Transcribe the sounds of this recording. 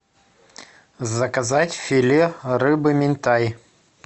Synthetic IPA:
zɐkɐzatʲfʲilʲerɨbɨmʲɪnʲt̪aj

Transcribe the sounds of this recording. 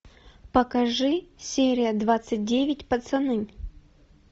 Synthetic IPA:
pɐkɐʐɨsʲeɾʲɪjəd̪vat̪sɨt̚ʲdʲevʲɪtʲpɐt̪sɐnɨnʲ

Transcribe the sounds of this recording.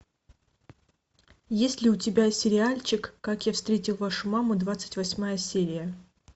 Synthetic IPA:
jesʲtʲlʲɪʊtʲɪbʲasʲɪɾʲɪalʲt͡ɕɪkːakjafst̪ɾʲetʲɪlˠvaʂʊmamʊd̪vat̪sɨ̥tʲvɐsʲmajəsʲeɾʲɪjə

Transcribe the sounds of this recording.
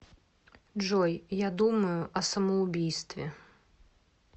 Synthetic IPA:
ʐɔjjad̪uməjʊʔɐsɐmɐʊbʲijst̪vʲɪ

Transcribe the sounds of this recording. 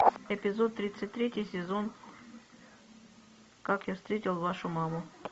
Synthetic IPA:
ɛpʲɪzot̪ːɾʲit̪sɨtʲt̪ɾʲetʲɪjsʲɪzo̞n | kakjafst̪ɾʲetʲɪlˠvaʂʊmamʊ

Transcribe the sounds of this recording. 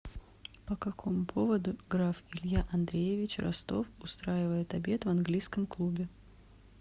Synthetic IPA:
pəkɐkʰo̞mʊpʰo̞vəd̪ʊɡɾafɪlʲjaʔɐnd̪ɾʲejɪvʲɪt͡ɕrɐ̰st̪o̞fʊst̪ɾajɪvəjɪt̪ɐbʲe̞t̪vɐnɡlʲijskəmklˠubʲɪ

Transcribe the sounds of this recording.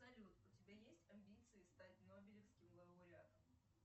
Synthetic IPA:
zɐlʲut̪ʊtʲɪbʲajesʲtʲɐmʲbʲit̪sɨɪst̪atʲnobʲɪlʲɪfskʲɪmlˠəbʊɾʲɪa̰t̪əm

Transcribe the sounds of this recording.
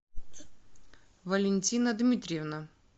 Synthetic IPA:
vɐlʲɪnʲtʲinəd̪mʲit̪ʲɾʲjvna

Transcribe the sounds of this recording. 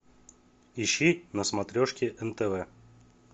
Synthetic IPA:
iɕːinəsmat̪ɾʲoʂkʲɪʔɛnt̪ɛvɛ

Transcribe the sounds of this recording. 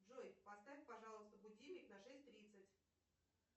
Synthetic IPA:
ʐojpɐst̪afʲpɐʐɑlˠəst̪əbʊdʲilmʲɪknɐʂɛsʲtʲt̪ɾʲit̪sətʲ

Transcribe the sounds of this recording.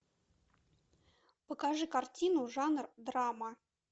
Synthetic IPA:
pəkaʐɨkartʲinuʐɑnrd̪rɑmə

